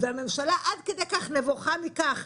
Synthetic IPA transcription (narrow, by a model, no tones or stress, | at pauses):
veame̞mʃalaʔad̪ked̪ejkaχnevoχamikaχ